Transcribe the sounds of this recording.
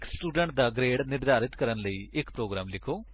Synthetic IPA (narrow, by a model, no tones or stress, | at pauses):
ksʈuːɖə̃ɳʈ̚d̪aːɡɾeːɽnɪɾd̪aːɾɪt̪kəɾənləiːɪkpɾoːɡɾaːmlɪkʰoː